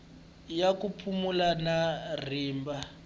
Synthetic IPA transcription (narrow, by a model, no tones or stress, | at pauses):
jakupʰumulanar̤iːmba